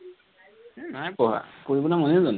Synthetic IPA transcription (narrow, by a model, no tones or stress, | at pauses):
najpɔɦa̰koɹibɔnamɔnezɔn